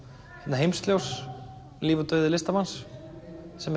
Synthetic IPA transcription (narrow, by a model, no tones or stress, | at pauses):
hɛp̪naɦejmst̪ljows | liːvʏt̪œɥðɪlɪst̪amansː | ɛm